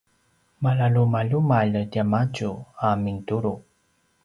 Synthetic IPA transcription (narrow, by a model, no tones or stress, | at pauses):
malalumalumaʎdiamaɟuamintuɾu